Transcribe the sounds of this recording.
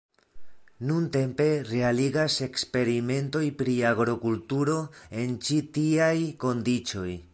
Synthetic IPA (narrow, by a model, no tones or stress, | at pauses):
nunte̞mpe̞re̞aliɡase̞kspe̞ɾime̞nto̞jpɾiaɡɾokultuɾo̞e̞nt͡ʃitiajko̞ndit͡ʃo̞j